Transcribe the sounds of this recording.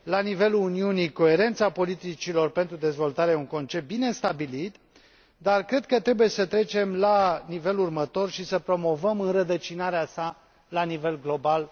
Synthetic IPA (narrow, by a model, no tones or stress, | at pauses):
lanive̞luuniuniko̞e̞ɾe̞nt̪sapo̞lit̪it͡ʃilo̞rpe̞nt̪ɾud̪e̞zvo̞lt̪aɾeuŋko̞nt͡ʃep̚t̪̚bine̞st̪abilit̪ | d̪arkɾe̞d̪̚kət̪ɾe̞buje̞sət̪ɾe̞t͡ʃe̞mlanive̞lurmət̪o̞rʃisəpɾo̞mo̞vəmɨnrəd̪ət͡ʃinaɾeasa | lanive̞lɡlo̞bal